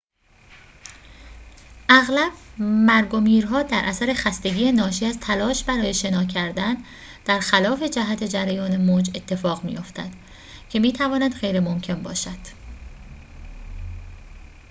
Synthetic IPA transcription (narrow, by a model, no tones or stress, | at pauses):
ʔæɣlæb̥mæɾɡo̞miːɾɦɒːd̪æɾʔæsæɾe̞xæst̪e̞ɟiːjenɒːʃiːæzt̪ʰælɒːʃbæɾɒːje̞ʃe̞nɒːcʰæɾd̪æn | d̪̥æɾxælɒːfe̞d͡ʒæɦæt̪ʰe̞d͡ʒæɾæjɒːne̞moːd͡ʒe̞t̪ʰːe̞fɒːɣmḭjo̞ft̪æ̰d̪̥ | cʰe̞miːt̪ʰævɒːnæd̪ɣe̞jɾemo̞mcʰe̞nbɒ̰ːʃæd̪̥